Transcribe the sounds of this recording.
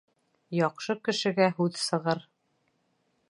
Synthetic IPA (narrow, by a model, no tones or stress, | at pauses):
jɑqʃɤkɘ̆ʃɘ̆ɡæɦʉðsɤ̆ʁɤɾ